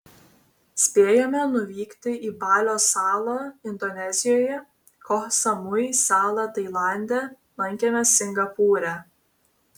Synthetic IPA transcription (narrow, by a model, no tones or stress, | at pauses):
sʲpʲeːjɛmʲɛnʊʋʲiːkt̪ʲɪʔiːbɑːlʲoːsɑːlˠoːɪnd̪ɔnʲɛzʲɪjoːjɛ | kɔxsɐmʊjsɑːlˠɑt̪ɐɪlˠɑˑnʲd̪ʲɛ | lˠɐŋʲkʲemʲɛsʲɪŋɡɐpuːɾʲæː